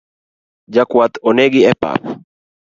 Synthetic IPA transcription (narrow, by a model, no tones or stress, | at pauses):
d͡ʒakwat̪oneɡiɛpa̰p